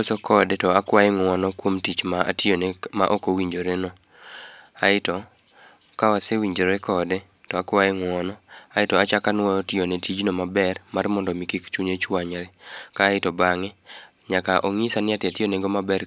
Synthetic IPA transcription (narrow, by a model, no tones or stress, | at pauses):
osɔkɔdetɔakwajɪŋwɔnɔkwomtit͡ʃmaa̰tjonma̰ʔokowiɲd͡ʒoɾenɔ | aɪtɔ | kawasewiɲd͡ʒoɾɛkɔde | tɔakwajɪŋɔnɔaɪtɔat͡ʃakanwɔotɪonetid͡ʒnomabɛrmarmɔndɔmikikt͡ʃuɲet͡ʃwaɲɾɛkaːɪtɔbaŋɪ | ɲakaʔoŋisanɪatɪatjoneɡomabɛr